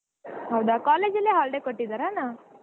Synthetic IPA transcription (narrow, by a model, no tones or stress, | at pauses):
ɦɐwd̪akaːleːd͡ʒɐlːiɦaːɭɖekoʈːid̪aɾaːnaː